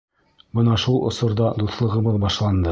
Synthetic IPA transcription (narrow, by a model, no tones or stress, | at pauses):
bɤnɑʃulˠʔŏ̰sŏɾðɑd̪uθlˠɤ̆ʁɤ̆βɤðbɑʃlˠɑnd̪ɤ